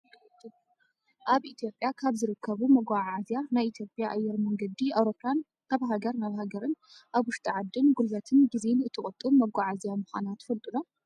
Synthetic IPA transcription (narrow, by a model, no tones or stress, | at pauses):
ʔaβʔit̪ʰijo̞pʼjakʰaβzɨɾɨkʰːɐβumɐɡʷaʕʕazjanajit̪ʰijo̞pʼjaʔajːɛɾmɐŋɡɐd̪iawɾopʼːjan | naβɦaɡɐɾnaβhaɡɐɾɨn | ʔaβwʊʃt̪ʼiʕad̪ːɨnɡulvɐt̪ʰɨnɡizenɨt̪ʰːɨχʼɐt̪ʼumɐɡʷaʕazjamɨxʷanat̪fɨlt̪ʼɨno